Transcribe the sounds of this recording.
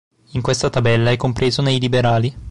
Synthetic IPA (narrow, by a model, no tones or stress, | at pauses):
iŋkwest̪at̪abɛlːaɛkːompɾeːzonejlibeɾaːli